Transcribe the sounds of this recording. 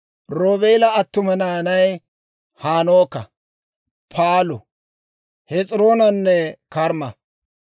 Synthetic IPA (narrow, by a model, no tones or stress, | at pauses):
ɾoːβeːlɐːt̪ːʊmɐnaːnɐj | haːnoːkːɐ̰ | pʰaːlʊ̰ | hɛt͡sʼɾoːnɐnːɛkɐɾmɐ